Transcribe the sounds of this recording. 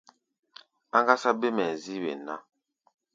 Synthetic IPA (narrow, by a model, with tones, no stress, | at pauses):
a˦ŋɡa˦sa˦be˦mɛ˨zi˦wḛ˨na̰˦